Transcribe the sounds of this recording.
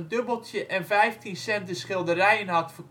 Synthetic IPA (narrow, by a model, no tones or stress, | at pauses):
ndøbəlˠtjəʔɛnvɛjftʰinsɛntəsχɪlˠdərɛjənɦɑtfər